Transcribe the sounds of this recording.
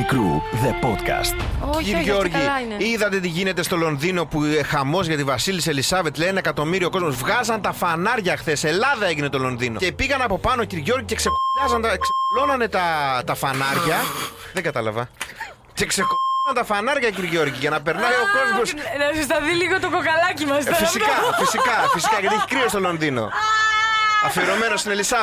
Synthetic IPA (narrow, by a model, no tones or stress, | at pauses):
ikɾuðepot̪kɐ̰st̪iɾiʝoɾʝi | iðɐt̪e̞t̪iʝine̞t̪e̞st̪o̞lo̞nðino̞puexɐmo̞zʝɐt̪ivɐsiliselisɐvet̪lenɐekɐt̪o̞miɾioko̞zmo̞zvɣɐzɐnt̪ɐfɐnɐɾʝɐxθe̞se̞lɐðɐe̞ʝine̞t̪o̞lo̞nðino̞epiɣɐnɐpo̞pɐno̞ciɾiʝo̞ɾʝiceksepɐzɐnd̪ɐkselo̞nɐne̞t̪ɐt̪ɐfɐnɐɾʝɐ | ðeŋɡɐt̪ɐlɐ̰vɐ | ce̞kse̞xsɐnt̪ɐfɐnɐɾʝɐciɾiʝo̞ɾʝiʝɐnɐpeɾnɐjo̞ko̞zmo̞snɐsɐst̪ɐðiliɣot̪okokɐlɐcimɐsfisikɐfisikɐfisikɐʝɐt̪ieçi̥kɾio̞st̪o̞lo̞nðino̞̰ | ɐfieɾo̞me̞no̞sinelisɐ